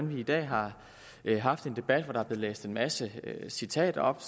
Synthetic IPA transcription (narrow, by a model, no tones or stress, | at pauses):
nʋiːd̥ɛ̰ːɦɑ̈ | ɦɑ̈fd̥e̝nd̥e̝b̥æd̥ʋɒd̥ɑ̈ɑb̥le̝ð̩ˠlḛːsd̥e̝nmæsəøsit͡sʰɛ̰ːd̥ɒ̽b̥